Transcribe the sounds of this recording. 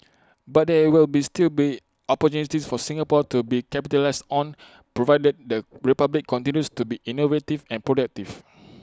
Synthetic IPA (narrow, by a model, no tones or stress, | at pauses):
bat̚dɛwilbistilbi | ɔpɔtjunitisfɔsĩŋapɔtubikɛpitəlaɪsɔ̃n | pɹovaɪdəd̚dəɹipablikʰːɔ̃ntĩnjustubiʔinovetivɛ̃npɹodak̚tiv